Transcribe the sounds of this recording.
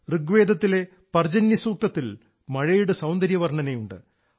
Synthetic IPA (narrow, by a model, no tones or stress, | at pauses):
rɨɡʋeːd̪ɐt̪ːile̞ | pɐrd͡ʑɐnjɐsuːk̚t̪ɐt̪ːil | mɐɻɐjuɽɨsɐwnd̪ɐɾjɐʋɐrɳɐnejuɳɖɨ̰